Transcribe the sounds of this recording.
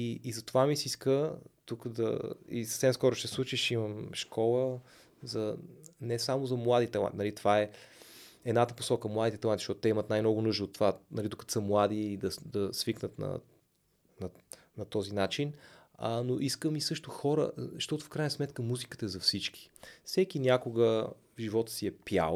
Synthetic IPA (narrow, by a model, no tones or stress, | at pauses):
iːzɐt̪ovamisiskət̪ukd̪ɐ̰ḭsə̥fsɛmskɔɾʊʃt̪ɛslˠut͡ʃiʃiməmʃkɔlˠə | zɐnɛsamozɐmlˠad̪it̪ɛɐa̰nʲnɐlit̪ovaɛ | ɛd̪nat̪əpo̥sɔkəmlˠad̪it̪ɛt̪ɐlaniʃtɔt̪ʊt̪ɛimət̪najmnɔɡʊnuʒd̪oot̪ːovanɐlid̪okət̪o̥səmlˠad̪iːd̪ɐd̪ɐsviknət̪nɐ̰ | nɐ | nɐt̪ɔzinat͡ʃinənoʔiskəmisɤʃt̪ʊxɔɾə̰zɐʃt̪ɔt̪ʊfkɾajnəsmɛt̪kəmuzikə̥t̪əɛzɐfsit͡ʃki̥fsɛkinʲakoɡə | vʒivɔt̪ə̥siɛpja̰l